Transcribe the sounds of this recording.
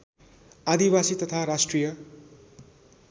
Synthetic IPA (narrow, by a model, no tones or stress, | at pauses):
ad̪ibasit̪ʌt̪ʰaɾasʈrijʌ